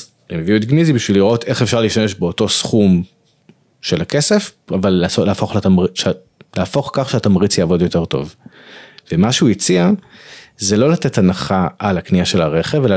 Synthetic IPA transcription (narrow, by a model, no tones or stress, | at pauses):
emeviuet̪̚ɡnizibiʃviliʁo̞te̞χefʃaʁliʃame̞ʃbeoto̞sχum | ʃe̞lake̞se̞favalːaoleafo̞χlatamʁiʃ | leaːfo̞χkaχʃeat̪amʁit͡sjaːvo̞djo̞te̞ʁt̪o̞̰v | vemaʃeujit͡sia | zelo̞late̞tanaχaʔalakniaʃe̞laʁe̞χevela